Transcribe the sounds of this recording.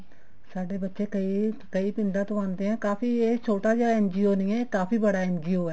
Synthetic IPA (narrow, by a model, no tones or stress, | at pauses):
saːɖeːbətːʃeːkəikəiːpɪ̃nd̪ãːt̪oãːnd̪eːɛ̃ːkaːpiːeːt͡ʃʰoːʈaːd͡ʒeaɛːnd͡ʒiːoːnĩːɛːkaːpiːbəɽaːɛːnd͡ʒiːoːɛː